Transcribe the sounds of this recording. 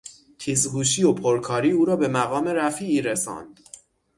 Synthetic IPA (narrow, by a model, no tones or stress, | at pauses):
t̪ʰiːzhuːʃ̬iːopʰoɾkʰɒːɾiːuːɾɒːbe̞mæɣɒːme̞ɾæfiːʔiːɾesɒ̰ːnd̪̥